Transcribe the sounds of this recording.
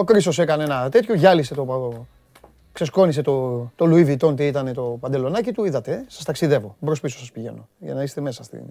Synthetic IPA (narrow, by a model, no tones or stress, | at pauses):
okɾiso̞se̞kɐneenɐt̪e̞t̪çoʝɐlise̞t̪o̞ | kse̞sko̞nise̞t̪ot̪o̞luivit̪o̞nt̪iit̪ɐne̞t̪o̞pɐnd̪e̞lo̞nɐcit̪uiðɐt̪e̞sɐ̥st̪ɐksiðe̞vo̞bɾospisosɐspiʝe̞̰no̞ʝɐ̰nɐist̪e̞me̞sɐst̪ḭn